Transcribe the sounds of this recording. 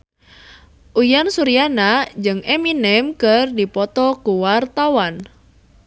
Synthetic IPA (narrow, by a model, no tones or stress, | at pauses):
ʔujansuɾianad͡ʒɨŋɛminɛmkərdipɔt̪ɔkuwart̪awan